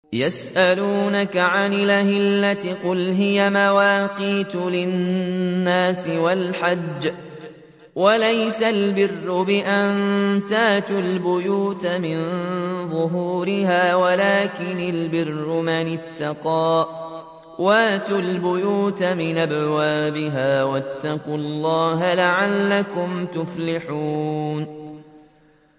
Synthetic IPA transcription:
jasʔaluːnakaʕanɪlʔahɪllːat̪ɪqʊlɦɪjamawaːqiːt̪ʊlɪnː | aːsɪwalħad͡ʒː | walajsalbɪrːʊbɪʔant̪aːt̪ʊlbʊjuːt̪mɪnnðˤʊɦuːɾɪhaːwalaːkɪnalbɪrːʊmanɪt̪ːɑqɑː | waːt̪ʊlbʊjuːt̪mɪnʔabwaːbɪɦaːwat̪ːɑqʊlˤːɑːɦalaʕalːakʊmt̪ʊflɪħuːn

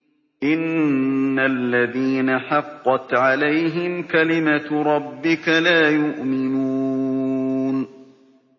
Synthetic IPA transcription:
ʔɪnː | alːaðiːnaħɑqːɑt̪ʕalajɦɪmkalɪmaɾˤɑbːɪkalaːjʊʔmɪnuː | n

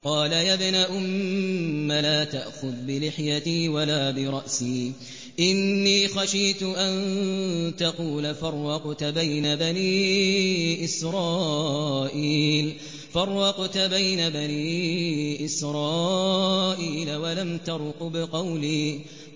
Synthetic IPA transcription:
qɑːlajabnaʔʊmː | alaːt̪aʔxʊðbɪlɪħjat̪iːwalaːbɪɾˤɑʔsiː | ʔɪnːiːxaʃiːt̪ʊʔan | t̪ɑquːlafɑrˤːɑqt̪bajnabaniː | ʔɪsɾˤɑː | ʔiːl | fɑrˤːɑqt̪abajnabaniːʔɪsɾˤɑː | ʔiːlawalamt̪ɑɾˤqbɪqɑwliː

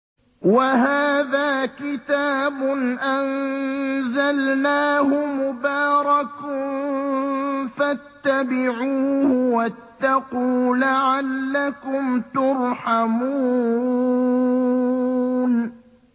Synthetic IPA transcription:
waɦaːðaːkɪt̪aːbʊnʔan | zalnaːhʊmʊbaːɾˤɑk | fat̪ːabɪʕuːhʊwat̪ːɑquːlaʕalːakʊmt̪ʊɾħamuː | n

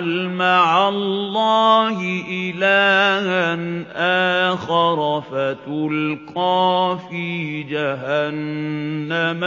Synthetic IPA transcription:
lmaʕalːɑːhɪʔɪlaːhanʔaːxɑɾˤfat̪ʊlqɑːfid͡ʒaɦanː | am

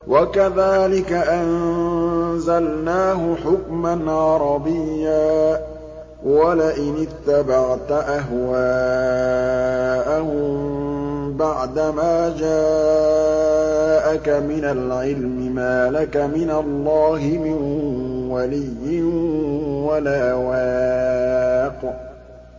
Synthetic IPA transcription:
wʔakaðaːlɪkaʔan | zalnaːɦʊħʊkmanʕɑɾˤɑbɪjjːaː | walaʔɪnɪθːabaʕt̪ʔaɦwaː | ʔahʊm | baʕd̪amaːd͡ʒaː | ʔakamɪnalʕɪlmɪmaːlakamɪnalˤːɑːɦɪmɪnwalɪjːɪ | walaːwaː | q

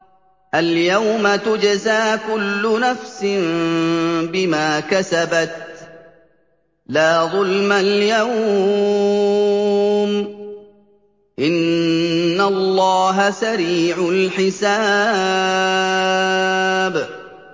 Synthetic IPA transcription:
ʔaljawmat̪ʊd͡ʒazaːkʊlːʊnafsɪm | bɪmaːkasabat̪̚ | laːðˤʊlmaljaw | m | ʔɪnː | alˤːɑːɦasaɾiːʕʊlħɪsa | b

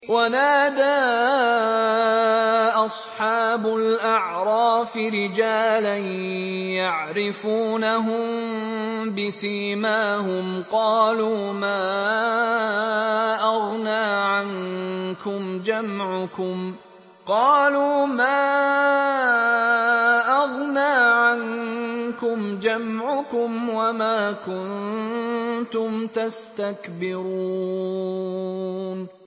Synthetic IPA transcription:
wanaːd̪aː | ʔɑsˤħɑːbʊlʔaʕɾˤɑːfɪɾɪd͡ʒaːlanjaʕɾɪfuːnaɦʊm | bɪsiːmaːhʊmqɑːluːmaː | ʔɑɣnaːʕankʊmd͡ʒamʕʊkʊm | qɑːluːmaː | ʔɑɣnaːʕankʊmd͡ʒamʕʊkʊmwamaːkʊn | t̪ʊmt̪ast̪akbɪɾuuː | n

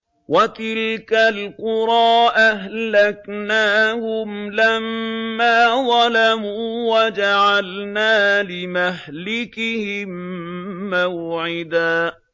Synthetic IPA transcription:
wat̪ɪlkalqʊɾˤɑːʔaɦlaknaːhʊmlamːaːðˤɑlamuːwad͡ʒaʕalnaːlɪmaɦlɪkɪhɪmː | awʕɪd̪aː

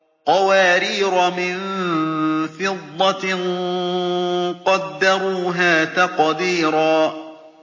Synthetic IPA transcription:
qɑwaːɾiːɾamɪn | fɪd̪ˤːɑn | qɑd̪ːaɾuːɦaːt̪aqd̪iːɾaː

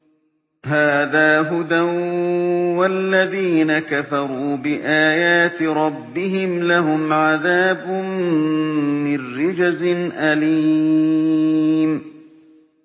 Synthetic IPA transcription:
ɦaːðaːɦʊd̪an | walːaðiːnakafɑɾˤuːbɪʔaːjaːt̪ɪɾˤɑbːɪɦɪmlaɦʊmʕaðaːbʊmː | ɪnːɪd͡ʒazɪnʔaliː | m

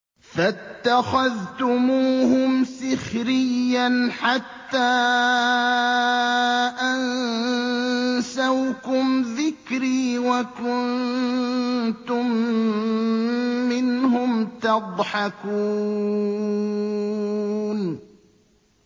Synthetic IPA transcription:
fat̪ːaxaðt̪ʊmuːhʊmsɪxɾɪjːanħat̪ːaː | ʔan | sawkʊmðɪkɾiːwakʊn | t̪ʊm | ɪnhʊmt̪ɑd̪ˤħɑkuː | n

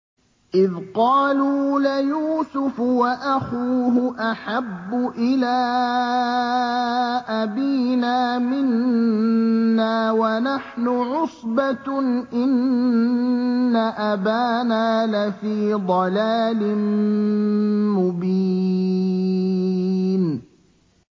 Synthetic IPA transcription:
ʔɪðqɑːluːlɪjuːsʊfwaʔaxuːɦʊʔaħabːʊʔɪlaː | ʔabiːnaːmɪn | aːwanaħnʊʕʊsˤbaʔɪn | aʔabaːnaːlafiːd̪ˤɑlaːlɪn | mʊbiː | n

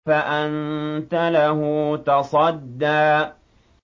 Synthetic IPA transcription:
aʔant̪alahʊt̪ɑsˤɑd̪ːaː

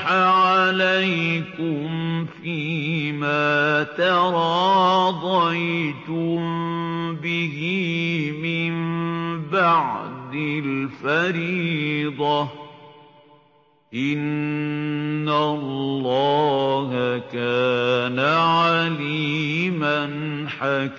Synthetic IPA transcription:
aʕalajkʊmfiːmaːt̪ɑɾˤɑːd̪ˤɑjt̪ʊmbɪhɪmɪmbaʕd̪ɪlfaɾiːd̪ˤɑ | ʔɪn | allːɑːhakaːnaʕaliːman | ħak

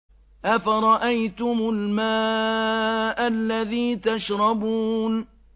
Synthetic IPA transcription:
ʔafaɾˤɑʔajt̪ʊmʊlmaː | ʔalːaðiːt̪aʃɾˤɑbuːn

